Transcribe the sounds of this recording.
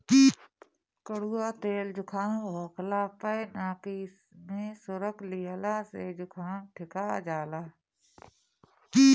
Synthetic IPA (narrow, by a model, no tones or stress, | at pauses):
ki | kəɽuːaːt̪eːld͡ʒʊkʰaːɦɔːklapəjnaːki | mẽsʊɾəkʰlijəlaːsed͡ʒʊkʰaːʈʰɪkad͡ʒaːlaː | i